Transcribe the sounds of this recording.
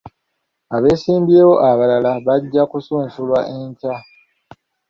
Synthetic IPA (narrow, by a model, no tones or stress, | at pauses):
aβe̞ːsiːmbje̞ːwo̞ʔaβalalaβaɟːakusuːnsulwaʔe̞ɲca